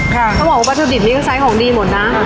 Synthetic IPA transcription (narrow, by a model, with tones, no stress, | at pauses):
kʰa˧˩kʰa˧˦bɔː˨˩wa˧˥˧a˧˥t̪ʰːoː˧˩di˨˩p̚niː˦˥kɔ˥˩sa˦˥jkʰɔː˩˦ŋdiː˧mo˨˩˦t̪̚na˦˥